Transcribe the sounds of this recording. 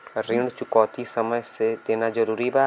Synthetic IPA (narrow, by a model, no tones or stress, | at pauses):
ɾɪɳt͡ʃʊkɔːt̪isəməjset̪eːnaːd͡ʒəɾuːɾibaː